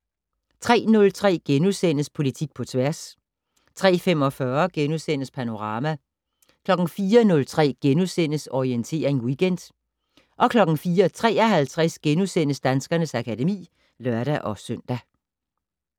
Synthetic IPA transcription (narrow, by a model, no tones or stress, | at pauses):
t͡sʰʁɛ̰ːnɔ̽lt͡sʰʁɛ̰ːɡ̥enusen̰əspʰo̝lit͡sʰiɡ̥̚pʰɒ̽t͡sʰʋæɐs | t͡sʰʁɛ̰ːfem̰ɒ̽fɶɐɡ̥enusen̰əspʰæno̝ʁɑ̈ːmæ | kʰlɒ̽ɡ̥n̩fiːɐnɔ̽lt͡sʰʁɛ̰ːɡ̥enusen̰əsɒient͡sʰe̝̰ːɐʁeŋwiɡ̥end̥ | ʔɒ̽kʰlɒ̽ɡ̥n̩fiːɐt͡sʰʁɛ̰ːɐɦælt͡sʰʁɛsɡ̥enusen̰əsd̥ænsɡ̥ɐnəsækʰæde̝mḭː | lɶɐɾ̥æʔɒ̽sœn̰d̥æ